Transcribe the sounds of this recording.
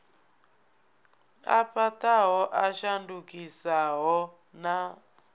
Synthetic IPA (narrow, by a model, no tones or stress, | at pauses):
a̰pataɦɔʔaʃandukisaɦɔ | na